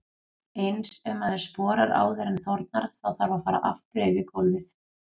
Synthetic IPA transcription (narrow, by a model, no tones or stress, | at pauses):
ejnsɛmaðʏɾ̥spɔːɾaɾa̰ːwðɛɾɪnθɔɾt̪̚naɾ̥θawθaɾvafaːɾa̰ʔaft̪ʏɾejvɪkɔlvɪθ